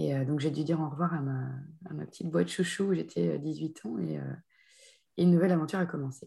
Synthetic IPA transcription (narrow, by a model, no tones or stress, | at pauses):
eød̪ɔ̃kʒed̪yd̪iʁɑ̃ʁəvwaʁama̰ːmapə̥t̪ʰit̪̚bwat̪ʃuʃuuʒet̪ʰɛø̰d̪izɥit̪ʰɑ̃ḛø̰ | eynːuvɛlavɑ̃t̪yʁakɔmɑ̃se